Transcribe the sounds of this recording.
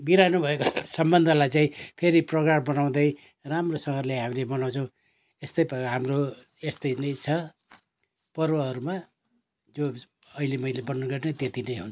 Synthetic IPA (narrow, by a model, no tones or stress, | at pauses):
biɾanubʱʌekosʌmbʌnd̪ʱʌlajt͡saĩpʰeɾiprʌɡrambʌnaw̃d̪ʌj | ramrosʌŋʌrlejɦamilebʌnaw̃t͡sʰʌ̃w̃ | est̪ʌjbʌɦamro | est̪ʌjnʌjt͡sʰʌ | pʌrwʌɦʌɾuma | d͡zoʌilemʌjlebʌnːʌɡʌrnʌt̪et̪inʌjɦun